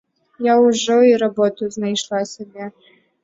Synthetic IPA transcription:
jawʐɔiɾabɔt̪uznajʂlˠasʲabʲɛ

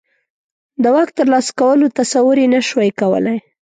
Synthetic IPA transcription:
d̪əwak̚t̪əɾlɑskawəlot̪asawəɾenaʃwajkawə̰laj

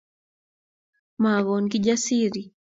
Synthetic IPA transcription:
maɣɔnkid͡ʒasiɾi

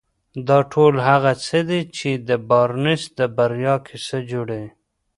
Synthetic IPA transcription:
d̪ɑʈʰolhaɣat͡səd̪et͡ʃed̪əbɑɾnɪsd̪əbaɾjɑkʰesəd͡ʒoɽe

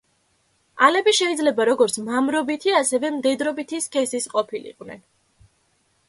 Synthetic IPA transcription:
alɛbiʃɛid̪zlɛbaɾɔɡɔɾt̪sʰmamɾɔbit̪ʰiasɛvɛmd̪ɛd̪ɾɔbit̪ʰiskʰɛsisqʼɔpʰilḭqʼvnɛ̰n

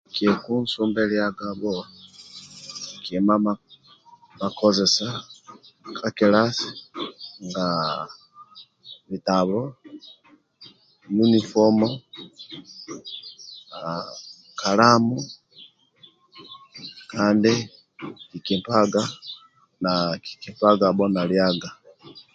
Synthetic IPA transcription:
kekunsuːmbeljaɡaβo | kema | makʰozesa | kʰakelasi̥ | ŋɡa | βitaβlo | junifɔmɔ | a | kʰalamu | kʰandɛ | kikimpaɡa | naki̥kimpaɡabɔnaljaɡa

